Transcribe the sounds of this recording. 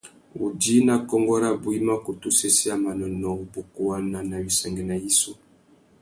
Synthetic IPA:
ṵ˨di˦na˨kɔ˦ŋɡɔ˦ɾa˦bu˨i˦ma˦ko˨tu˦se˦si˦a˦˨ma˨nɔ˨nɔ˨bo˨ku˦wa˦na˨na˨bi˨sɛ˨ŋɡɛ˨na˨ji˦so˦

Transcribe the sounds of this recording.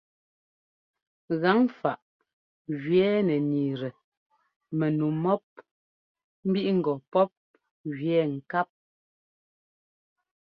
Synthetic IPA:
ɣa˨˦ŋfa˨ʔ | ɣɥɛː˨˦nɛ˨niː˨ɾɛ˨ | me˨nu˨mɔ˦p̚ | m̩˦bi˦ʔŋ̩˨ɡɔ˨pɔ˦p̚ | ɣɥjɛː˨˦ŋ̩˨ka˦p̚

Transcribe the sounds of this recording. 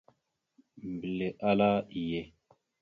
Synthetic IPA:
m˨bi˨le˨ʔa˦la˦i˨je˨

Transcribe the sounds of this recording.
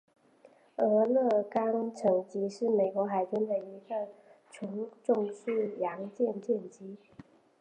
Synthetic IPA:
ɤ˧˥lɤ˥˩kɑ˥ŋʈ͡ʂʰɤ˨˥˩ŋt͡ɕi˧˥ʂɻ̩˥˩me˨˩ɪkwɔ˧˥xa˨˩ɪʈ͡ʂi˥nd̪ə˨i˧˥ɡə˨t͡ɕʰʊ˧˥ŋʈ͡ʂʊ˥˧ŋsʰɹ̩˥˩jɑ˧˥ŋt͡ɕjɛ˥˧nt͡ɕjɛ˥˩nt͡ɕi˧˥

